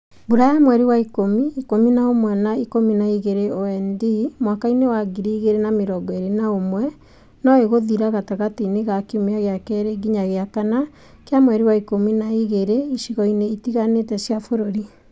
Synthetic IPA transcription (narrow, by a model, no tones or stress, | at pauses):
buɾajamwɛɾiwaikomiːkominaomwɛnaikominaiɣeɾeoɛndimwakainewaɡiɾiːɣeɾenameɾɔɡɔeɾenaomwɛ | nɔeɣoðiɾaɣataɣatineɣakeumeaɣeakɛɾeɡiɲaɣeakana | keamwɛɾiwaikominaiɣeɾeiʃiɣɔineitiɣanetɛsjafoɾoɾi